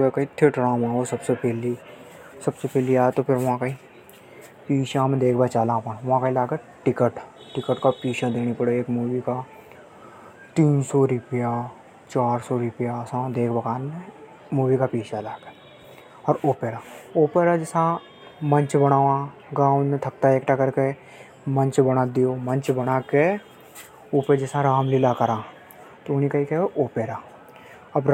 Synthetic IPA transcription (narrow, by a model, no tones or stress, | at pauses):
ekait̪ʰeʈɾãːmãːosɐbsepʰeːli | sɐbsepʰeːliaːt̪opʰɪɾʋɐɦãkai | piːʃãmẽd̪eːkʰbat͡ʃaːlãpəñʋɐɦãkailaːɡe | ʈɪkəʈ | ʈɪkəʈkapiːʃad̪eːɽ̃ipɐɽeeːkmuːʋika | t̪iːnsɔɾʊpja | t͡ʃaːɾsɔɾʊpjasãd̪eːkʰbɐkaːnmẽ | muːʋikapiːt͡ʃalaːke̥ | ɔːɾoːpeːɾaːoːpeːɾad͡ʒɪsã | mə̃ɲt͡ʃbəɽ̃aːʋã | ɡãːwnẽt̪ʰɐk̚t̪aeːkʈakɐɾke | mə̃ɲt͡ʃbəɽ̃ad̪ijomə̃nt͡ʃbɐɽ̃aːke | oːped͡ʒɪsãɾaːmlɪlakɐɾãː | t̪oʊnikaikɛoʔoːpeːɾaː | ɐbɾ